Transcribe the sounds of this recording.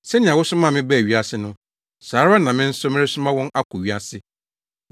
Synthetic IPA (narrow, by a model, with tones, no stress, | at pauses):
sɛ˦nɪ̃˨ã˨wʊ˦sʊ˦mã˦˨mɪ̃˦bɛ˦˨ɥi˦a˦sɪ˦nʊ̃˦ | saː˨˦ɾa˦nã˨mɪ̃˦n̩˦sʊ˦mɪ̃˦ɾɪ˦sʊ˦mã˦wɔ̃˦na˦kʰʊ˨ɥi˦a˦sɪ˦